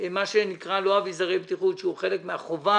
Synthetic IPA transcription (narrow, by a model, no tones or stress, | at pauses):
maʃenikʁalo̞avizaʁe̞jbt̪iχut̪ʃeuχe̞lekmeaχo̞va